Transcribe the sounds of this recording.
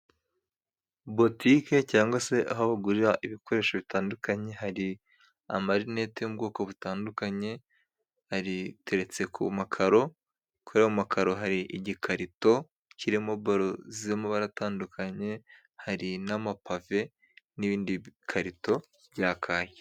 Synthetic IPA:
bo̞tike̞caːŋɡwase̞ʔaɦoβaɡuɾiɾaʔiβikʰo̞ɾe̞ːʃoβitaːndukaɲe̞ɦaɾi | a̰maɾine̞tejub̚ɡo̞ːko̞βutaːndukaɲe̞ | haɾite̞ɾe̞t͡se̞kʰumakʰaɾo̞ | kʰuɾeumakʰaɾo̞ɦaɾiʔiɟikʰaɾito̞ | ciɾimo̞baɾoziemoβaɾataːndukʰaɲe̞ | haɾinamapave̞ | niβiːndikʰaɾito̞ | b̥ɟaːkʰaːje

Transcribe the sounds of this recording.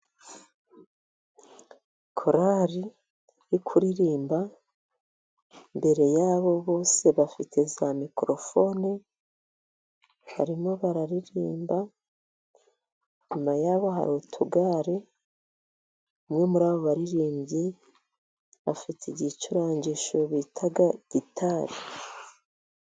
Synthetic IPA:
kʰoɾaɾi | jikʰuɾiɾiːmba | mbe̞ɾe̞jaːβo̞βo̞ːse̞βafitʰe̞zamikɾo̞fo̞ne | ha̰ɾimo̞βaɾaɾiɾḭːmba | ɲumajaːβo̞ɦa̰ɾutʰuɡaːɾe | umŋe̞muɾaːβo̞βaɾiɾiːmbɟi | βafitʰeiɟit͡ʃuɾaːɲɟiʃoβitʰaɡaɟ̥itʰaɾi

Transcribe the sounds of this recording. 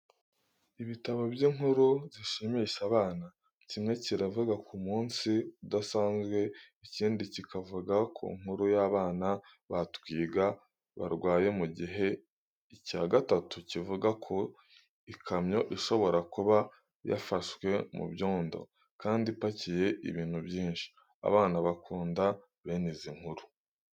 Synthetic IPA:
iβitaβobjiːŋhuɾuziʃimiʃaβaːna | cimŋe̞ciɾavuɡakumuːnsiudasaːnzɡwe̞iciːndicikʰavuɡakʰṵŋ̥huɾujaβaːna | βatwiːɡa | βa̰ɾɡwaːje̞muɟiɦe̞ | icaɡatatucivuɡakʰo̞ | ikʰamɲo̞ʔiʃo̞βo̞ɾakuβa | ja̰faʃwe̞mṵβjoːndo̞̰ | kaːndipacije̞ʔḭβiːn̥huβjiːnʃi̥ | a̰βaːnaβakʰuːnda | βeneziŋ̥huɾu̥

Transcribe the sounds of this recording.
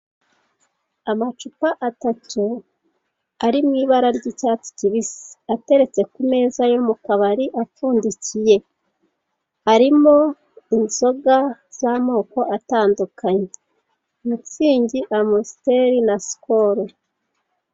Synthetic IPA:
amat͡ʃupaʔatatu | aɾimŋiːβaɾaɾɟicaːti̥ciβisi̥ate̞ɾe̞t͡se̞kume̞ːzajomukaβaɾiʔafuːndicije̞ | aɾimo | inso̞ɡaz̥amo̞ːko̞ʔataːndukaɲee | mut͡siːɲɟiʔamosi̥te̞ɾinaskoɾo

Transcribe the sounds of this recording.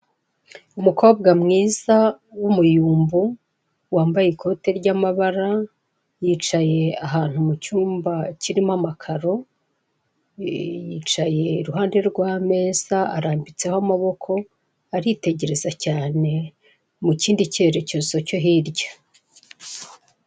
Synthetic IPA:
umuko̞ːb̚ɡamŋiːza | wumujuːmbu | waːmbajekʰo̞ːte̞ɾɟamaβaɾa | jiːt͡ʃaje̞aɦaːn̥humucuːmbaciɾimamakʰaɾo̞ | jiːt͡ʃaje̞iɾuɦaːnde̞ɾɡwaːme̞ːz̥a̰ːɾaːmbit͡se̞hoamaβo̞kʰo̞ | aɾite̞ɟe̞ɾe̞zacaːne̞ | muciːndice̞ɾecoːsoco̞ɦiɾɟḁ

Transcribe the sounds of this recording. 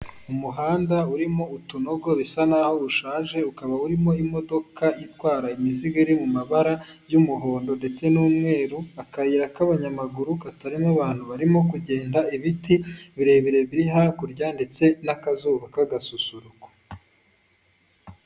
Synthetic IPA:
umuɦaːndauɾimo̞utuno̞ɡo̞βisanaːho̞uʃaːʒe̞ukaβauɾimo̞imo̞do̞kʰaitwaːɾaimiziɡeiɾimumaβaɾajumuɦo̞ːndo̞nde̞t͡se̞nuːmŋe̞ːɾuakaiɾakaβaɲamaɡuɾukataɾimaβaːn̥huβaɾimo̞kuɟe̞ːndaiβitiβiɾe̞βiɾe̞βiɾiɦakuɾɟandet͡se̞nakazuːβakaɡasusuɾuɡwḁ

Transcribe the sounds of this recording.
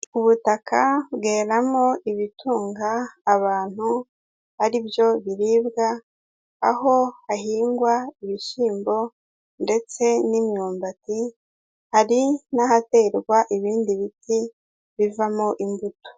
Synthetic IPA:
uβutakʰaβɡe̞ːɾamo̞iβitʰuːŋɡaːβaːn̥hu | βaɾibjo̞βiɾiːbɡaː | ɦo̞ahiːŋɡwaiβiʃiːmbo̞ | nde̞t͡se̞nimɲuːmbati | haɾinahate̞ːɾɡwaʔiβiːndiβitʰi | βivamoʔimbuto̥

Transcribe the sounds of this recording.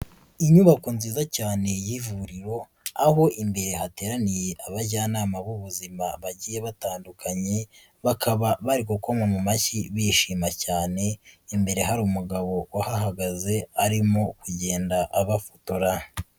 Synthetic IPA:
iɲuβakunziːzacaːne̞jivuɾiɾo̞ | aɦo̞ʔimbe̞ɾe̞ɦate̞ːɾanije̞ʔaβaɟaːnaːmaβuβuzimaβaɟiːje̞βataːndukʰaɲe̞ | βakʰaβaβaɾikukomamumaciβiʃiːmacaːne̞imbe̞ɾe̞ɦaɾuːmuɡaβo̞wahaɦaɡaze̞aɾimo̞kuɟe̞ːndaʔaβafotoɾa

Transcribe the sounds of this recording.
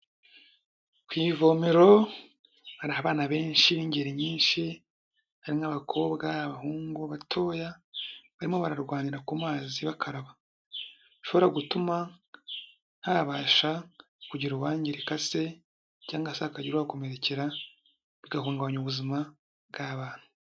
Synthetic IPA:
kwiːvo̞meɾo̞ | haɾihaβaːnaβe̞ːnʃiniɲɟeɾiɲiːnʃi | haɾimaβakʰo̞ːβɡaβahuːŋɡuβatʰo̞ːjaβaɾimo̞βaɾaɾɡwaːniɾakumaːziβakʰaɾaβa | ʃo̞βo̞ɾaɡutuma | haβaːʃa | kuɟiɾuwaːɲɟiɾekase̞ | caːŋɡaseakaɟiɾuβako̞me̞ɾe̞ceɾa | βiɡahuːŋɡaβɲuβuzima | bɡaβaːn̥hu̥

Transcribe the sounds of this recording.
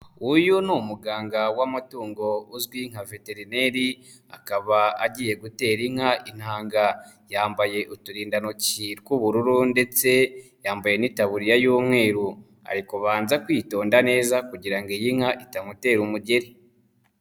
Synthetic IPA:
ujunumuɡaːŋɡawamatuːŋɡo̞uzɡwiŋ̥have̞te̞ɾine̞ɾi | a̰kaβaaɟije̞ɡute̞ːɾiŋ̥haʔin̥haːŋɡa | jaːmbaje̞ʔutuɾiːndanociɾkuβuɾuɾunde̞t͡se̞jaːmbaje̞nitaβuɾijajuːmŋe̞ːɾu | a̰ɾikuβaːnzakwiːto̞ːndane̞ːzakuɟiɾaŋɡejiŋ̥haʔitaŋute̞ɾumuɟe̞ɾi

